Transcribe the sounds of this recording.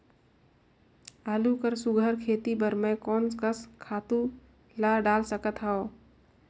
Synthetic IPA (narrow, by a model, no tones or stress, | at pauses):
aːlukəɾsʊɡʱəɾkʰeːt̪ibəɾmẽkɔːnskəskʰaːt̪u | laɖaːlsəkət̪ɦao